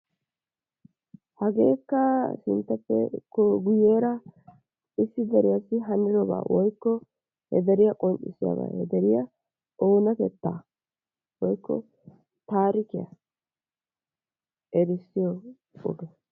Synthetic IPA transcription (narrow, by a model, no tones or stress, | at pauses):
hɐɡeːkːɐsɪ̰nt̪ːɐpːɛ̰kɔɡʊjeːɾɐ | ɪsːɪd̪ɐɾɪjasɪɦɐnɪɾɔba̰ːwɔjkːɔ | hɛ̰d̪ɐɾɪjɐkʼɔnt͡ʃʼɪ̰sɪja̰ba̰ːhɛd̪ɛɾɪjɐ | oːnɐkɛt̪ːaː | wɔjkːɔ̰ | t̪aːɾɪkɪja̰ | ɛɾɪsːɪjɔ | ɔɡɛ